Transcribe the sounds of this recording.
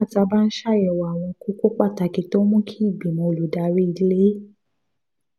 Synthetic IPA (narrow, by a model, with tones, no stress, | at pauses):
a˦˨ta˧ba˦n̩˦ʃa˦˨jɛ˨wa˨a˨w̃ɔ̃˧ku˦ko˦k͡pa˦˨ta˧˨ki˨˦to˦mũ˦kʰi˦i˦˨bi˨mõ˨˧˨lu˨da˨˧˦ɾi˦i˧˨di˦le˦